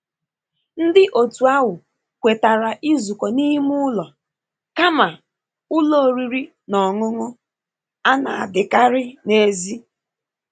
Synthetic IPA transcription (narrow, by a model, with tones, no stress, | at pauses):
n̩˦dɪ˦ʔo˨tu˨a˦ɦʊ˨ | kʷe˨ta˨ɾa˨ʔi˦zu˨kɔ˨ni˦mu˦ʊ˦lɔ˨ | ka˦ma˨ | ʊ˦lo˦˨o˨ɾi˨ɾi˦ | nɔ˨ŋʊ˦ŋʊ˦ | a˦na̰˨a˨dɪ˨ka˦ɾɪ˦ne˦zi˦